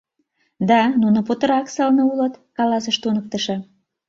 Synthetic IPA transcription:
d̪ɑnunŏpot̪ə̆ɾɑksəlnəulət̪kɑlɑsəʃt̪unək̚t̪əʃɤ̆

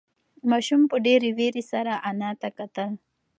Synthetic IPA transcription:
mɑʃumpəɖeɾiweɾisaɾaʔanɑt̪akat̪əl

